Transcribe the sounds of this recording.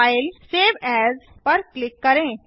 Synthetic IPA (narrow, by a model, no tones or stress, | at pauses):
jlseːʋɛzpəɾklɪkːəɾẽː